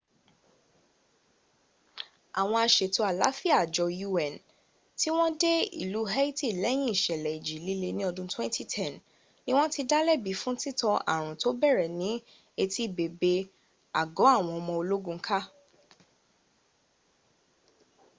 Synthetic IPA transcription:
a˨w̃ɔ̃˧a˧ʃe˨to˦a˨la̰˨˦fi˦a˦˨d͡ʒɔ˧ju˧ɛ˨n | ti˦w̃ɔ̃˦de˦ḭ˦˨lu˨˦ɦa˦i˦ti˨lɛ˨˦j̃ĩ˦i˦˨ʃɛ˨lɛ˨i˨d͡ʒi˨˦li˦le˧nĩ˦ɔ˧dũ˧twɛ̃˦ntʰi˦tʰɛ˦˨n | nĩ˦w̃ɔ̃˦ti˧da˦lɛ˦˨bi˨˦fũ˦ti˦tɔ̃˧ʔa̰˨ɾ̃ũ˨to˨˦bɛ˦˨ɾɛ˨nĩ˨˦ | e˧ti˦˨be˨be˧ | a˨ɡɔ˨˦a˦˨w̃ɔ̃˧ɔ˧mɔ̃˧o˧lo˦ɡũ˧˦kʰa˦

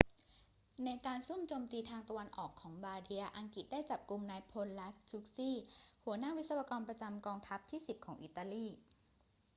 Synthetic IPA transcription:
na˧jkaː˧nsu˥˩mt͡ɕoː˧mt̪iː˧t̪ʰaː˧ŋt̪a˧wa˧nʔɔ̰ː˨˩kʰːɔː˩˦ŋbaː˧di˧ɐʔa˧ŋki˨˩t̪̚daː˥˩jt͡ɕa˨˩p̚ku˧mnaː˧jpʰo˧nla˦˥t͡ɕu˦˥k̚siː˥˩hu˩˦ɐnaː˥˩wi˦˥sa˧wa˧kɔː˧npɾa˧t͡ɕa˧mkɔː˧ŋt̪ʰa˦˥p̚t̪ʰiː˥˩si˨˩p̚kʰɔː˩˦ŋʔḭ˨˩t̪ːaː˧liː˥˩

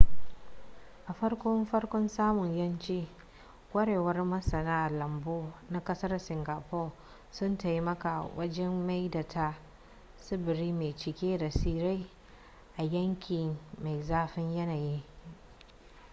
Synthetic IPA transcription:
ʔa˨ɸɐ˦rkʷɔ˦mɸɐ˦rkʷɔ˦nsaː˦mʊ˨ɲjɐ˦nt͡ʃeː˦ | kʷʼɐ˦ɽeː˨wɐ˦rmɐ˦sɐ˨naː˦ʔlɐ˨mboː˦na˦kɐ˦sɐ˦rsɪ˨ŋɡa˨pɔː˦ | sʊ˦nta˨ji˦mɐ˦ka˨wʔɐ˦d͡ʒɛ˦mːa˦jda˨tʰa˦ | sɪ˦bɪ˨ɾiː˦meː˨t͡ʃɪ˨kʲeː˦da˨siː˦ɾa˦j | ʔa˨jɐ˦ŋkʲi˨ma˨jzaː˦ɸɪ˦ɲjɐ˦naː˨ji˦

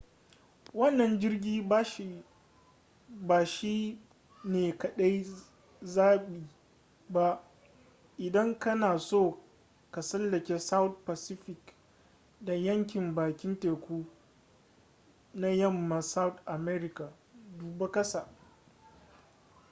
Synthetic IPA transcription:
wɐ˦nːɐ˨nd͡ʒɪ˦rɡʲiː˦˨ | baː˨ʃi˦ | neː˨kɐ˨ɗa˦j | zaː˦ɓiː˨ | ba˦ʔ | ʔɪ˨dɐ˦ŋkɐ˦naː˨soː˦˨ | ka˨sɐ˦lːɐ˨kʲeː˦sa˦wt̚pa˨sɪ˦ɸɪ˨k | da˨jɐ˦ŋkʲɪ˨mbaː˨kʲɪ˦nteː˨kʷuː˦ | na˦jɐ˦˨mːa˨sa˦wtʔa˨mɛ˦ɾɪ˦ka˨ | duː˨be˦kɐ˦sa˨

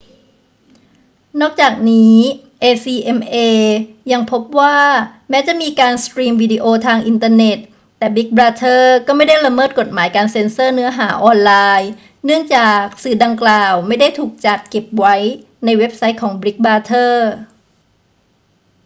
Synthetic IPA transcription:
nɔː˥˩k̚t͡ɕaː˨˩k̚niː˦˥ | ʔeː˧siː˧ʔe˧mʔeː˧ja˧ŋpʰo˦˥p̚waː˥˩mɛː˦˥t͡ɕa˨˩miː˧kaː˧nskɾiː˧mwiː˧di˧ʔoː˧t̪ʰaː˧ŋʔi˧nt̪aː˧ne˨˩t̪ː | ɛː˨˩bi˦˥k̚bɾaː˧t̪ʰɤː˥˩kɔː˥˩ma˥˩jda˥˩jla˧mɤː˥˩t̪̚ko˨˩t̪̚maː˩˦jkaː˧nse˧nsɤː˥˩nɯ˦˥ɐɦaː˩˦ʔɔː˧nlaː˧j | nɯ˥˩əŋt͡ɕaː˨˩k̚sɯː˨˩da˧ŋklaː˨˩wma˥˩jda˥˩jt̪ʰuː˨˩k̚t͡ɕa˨˩t̪̚ke˨˩p̚wa˦˥j | na˧jwe˦˥p̚sa˦˥j̚kʰɔː˩˦ŋbɾi˦˥k̚baː˧t̪ʰɤː˥˩

